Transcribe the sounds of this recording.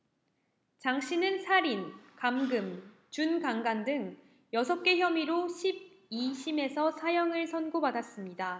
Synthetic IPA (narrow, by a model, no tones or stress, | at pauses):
t͡ɕaŋɕ͈ʰinɯnsʰaɾinkamɡɯm | t͡ɕunkaŋɡandɯŋ | jʌsʰʌp̚k͈e̞çjʌmiɾoɕʰib̚ | iɕʰime̞sʰʌsʰajʌŋɯɭsʰʌnɡopadas͈ɯmɲida